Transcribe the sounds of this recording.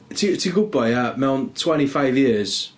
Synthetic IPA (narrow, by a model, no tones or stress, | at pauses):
tʰitʰiɡʊbɔjamɛwntʰw̥ɛɾ̃ifajvjɪəz̥